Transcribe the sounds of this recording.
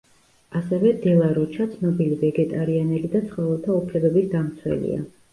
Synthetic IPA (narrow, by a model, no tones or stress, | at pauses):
asɛvɛd̪ɛlˠaɾɔt͡ʃʰat̪sʰnɔbilivɛɡɛt̪ʼaɾianɛlid̪at̪sʰχɔvɛlˠt̪ʰaupʰlɛbɛbisd̪amt̪sʰwɛ̰lḭa̰